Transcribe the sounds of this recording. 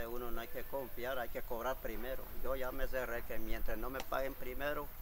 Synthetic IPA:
eunonoajkekomfjaɾajkekoβɾaɾpɾimeɾo̰joʝames̬erekemjent̪ɾasnomepa̰ɣempɾimeɾo

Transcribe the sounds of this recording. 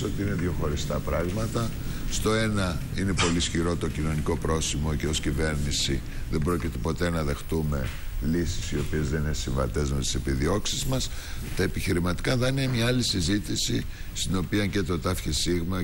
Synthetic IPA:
o̞t̪iine̞ðʝoxo̞ɾist̪ɐpɾɐɣmɐt̪ɐ | st̪o̞e̞nɐ | ine̞po̞lisçiɾo̞t̪o̞cino̞niko̞pɾo̞simo̞ceo̞scive̞ɾnisi | ðe̞mbɾo̞cit̪e̞po̞t̪e̞nɐðe̞xt̪ume̞lisi̥sio̞pie̞zðe̞ninesiɱvɐt̪e̞zmet̪i̥se̞piðio̞ksizmɐs | t̪ɐepiçiɾimɐt̪i̥kɐðɐniemɲɐɐlisizit̪isi | st̪ino̞piɐɲce̞t̪o̞t̪ɐfçisiɣmɐ

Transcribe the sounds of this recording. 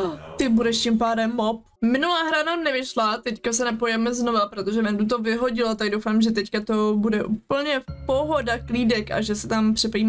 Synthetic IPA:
t̪ɪbudɛʃcɪmpaːdɛmːop̚ | mɪnulaːɦɾananɛvɪʃlat̪ɛckasɛnɛpojɛmɛzno̞vapɾot̪o̞ʒɛvɛndut̪o̞vɪɦo̞ɟɪlot̪aɡ̚dowfaːmʒɛt̪ɛckat̪o̞budɛʔuːpl̩ɲɛpoɦo̞dakliːdɛkʔa̰ʒɛsɛt̪ampr̥ɪpaim

